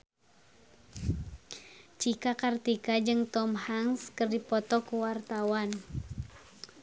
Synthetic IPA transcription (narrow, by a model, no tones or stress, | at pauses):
t͡ʃikakart̪ikad͡ʒɨŋt̪ɔmhaŋskərdipɔt̪ɔkuwart̪awan